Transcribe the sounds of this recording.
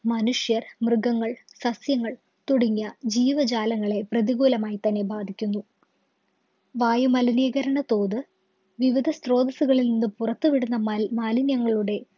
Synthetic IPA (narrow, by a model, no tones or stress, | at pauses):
mɐnuʂjɐrmrɨɡɐŋːɐɭsɐsjɐŋːɐɭ | t̪uɽɐŋːɐd͡ʑiːʋɐd͡ʑaːlɐŋːɐɭe̞prɐðiɣuːlɐmaːjit̪ɐnːe̞bʱaːd̪ʱikʲːunːu | ʋaːjumɐlɐniːɣɐɾɐɳɐt̪o̞ːðɨ | ʋiʋid̪ʱɐst̪ro̞ːd̪ɐsuɣɐɭilninːɨpurɐt̪ːuʋiɽunːɐmaːlinjɐŋːɐɭuɽe̞